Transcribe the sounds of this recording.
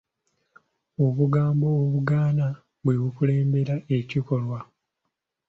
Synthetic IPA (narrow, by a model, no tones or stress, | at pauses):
o̞βuɡaːmbo̞ːβuɡaːna | βuiβukule̞ːmbe̞ɾae̞ciko̞lwa